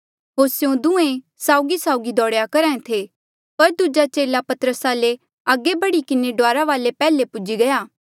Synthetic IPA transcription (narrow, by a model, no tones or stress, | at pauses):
ɦoːɾsjõd̪ʊ̃ẽ | saːʊɡisaːʊɡid̪ɔːɽjakɐɾãːẽt̪ʰe | pɐɾd̪ud͡ʒat͡ʃeːlapɐt̪əɾəsaːle | aːɡebɐɽikɪneɖʊaːɾaʋaːlepɛːlepʊd͡ʒiɡɐjaː